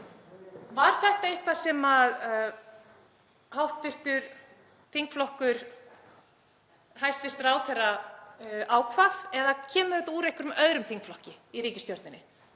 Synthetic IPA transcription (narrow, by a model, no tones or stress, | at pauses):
vaɾ̥θɛht̪aehkvasɛmað | hawht̪̚pɪr̥t̪ʏɾ̥ | θiŋkflɔhkʏɾ̥ | hajst̪fɪst̪raːwθɛra | aːwkʰvaθɛðacʰɛːmʏɾɛt̪auːɾejhkʏɾʏmœðɾʏmfiŋkflɔhcɪiɾiːcɪst̪joɾt̪nɪnɪ̰